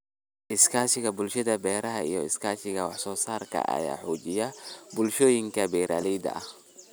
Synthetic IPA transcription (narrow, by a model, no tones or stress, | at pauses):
ʔɪskʰaːsɪɣɐbʊlʃɐðɐbɛːɾɐɦɐḭjɔɪskʰaːʃɪɣɐwɑħsɔːsaːrkʰɐ̰ʔɐ̰ja̰ːħuːt͡ʃɪjɐbʊlʃɔːjɪŋkʰɐbɛːɾaːlɛjd̪ɐ̰ɐh